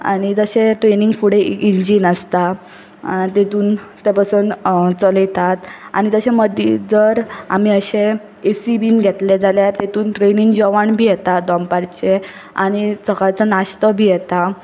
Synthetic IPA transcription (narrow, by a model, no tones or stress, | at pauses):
a̰ɽ̃id͡zəɕeʈɾeniŋɡfuɽeiɲd͡ʑiːnəst̪a | t̪et̪uːnt̪epasuːnt͡səlet̪at̪a̰ɽ̃it̪əɕẽməd̪ʱḭd͡zəɾa̰m̤iːəɕe | esibiːnɡʱet̪led͡zaljat̪et̪uːnʈɾeniŋɡd͡ʑɔʋaɳbʱiːjɛt̪ad̪ɔmpaɾt͡ɕe | a̰ɽ̃isəkat͡sənaɕt̪əbʱiːjɛt̪a